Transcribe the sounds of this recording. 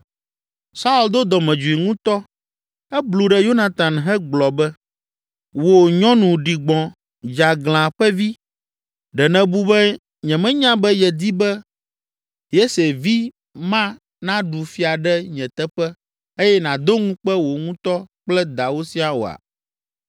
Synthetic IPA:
sa˦u˦˨ld̪o˦d̪ɔ˨mɛ̃˨d͡ʒu˨i˨ŋũ˦t̪ɔ˦ | ɛ˦blu˨ɖɛ˨jo˦nã˨t̪ã˨nɦɛ˦ɡ͡blɔ˨bɛ˦ | wo˨ɲɔ̃˦nũ˨ɖi˨ɡ͡bɔ̃˨ | d͡ʒa˨ɡl̃ã˨ɸɛ˦vi˦ | ɖɛ˨nɛ̃˨bu˦bɛ˦ | ɲɛ̃˨mɛ̃˦ɲã˦bɛ˦jɛ˨d̪i˦bɛ˦ | je˦se˨vi˦ | mã˦ | nã˦ɖu˨fi˦a˨ɖɛ˦ɲɛ̃˨t̪ɛ˦ɸɛ˦ | e˦jɛ˦nã˨d̪o˦ŋũ˦k͡pɛ˦wo˨ŋũ˦t̪ɔ˦k͡plɛ˦d̪a˨wo˦si˦a˨wo̰˨a̰˨

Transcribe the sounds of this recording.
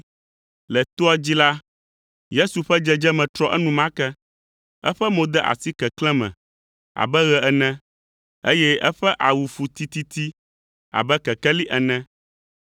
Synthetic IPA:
lɛ˨t̪o˦a˦d͡ʑi˦la˦ | je˦su˨ɸɛ˦d͡ʒɛ˦d͡ʒɛ˦mɛ̃˨t̪ɾɔ˦ʔɛ˦nũ˨mã˦kɛ˦ | ɛ˦ɸɛ˦mõ˦d̪ɛ˦ʔa̰˨si˦kɛ˨klɛ̃˦mɛ̰̃˨ | a̰˨bɛ˦ɣɛ˨ɛ˨nɛ̃˦ | ḛ˦jɛ˦ɛ˦ɸɛ˦ʔa˨wu˨fu˨t̪i˦t̪i˦t̪i˦ | a̰˨bɛ˦kɛ˨kɛ˦li˦ʔɛ˨nɛ̃˦

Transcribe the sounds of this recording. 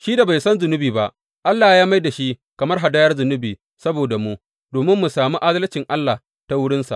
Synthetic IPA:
ʃiː˦da˨ba˨jsɐ˦nzʊ˨nʊ˦biː˨ba˦ʔ | ʔa˦lːaː˨jaː˦ma˦jda˨ʃi˦kɐ˨mɐ˦rɦa˨daː˦jɐ˦rzʊ˨nʊ˦biː˨ | sɐ˦boː˨da˨mu˦ʔ | doː˨mɪ˦mːu˨saː˨mu˦ʔa˦zɐ˦lt͡ʃɪ˨ŋʔa˦lːa˨ | ta˦wʊ˦ɽɪ˦nsa̰˨ʔ

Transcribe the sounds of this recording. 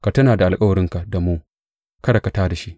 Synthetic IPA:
ka˨tɐ˦naː˨da˨ʔa˨lkʼɐ˦wɐ˨ɾɪ˦ŋka˨da˨muː˦ | kɐ˦ɽɐ˨kɐ˨taː˦da˨ʃi˦ʔ

